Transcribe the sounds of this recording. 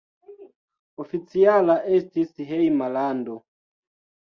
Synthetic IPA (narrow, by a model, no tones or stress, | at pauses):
ofit͡sialaʔestisɦejmalando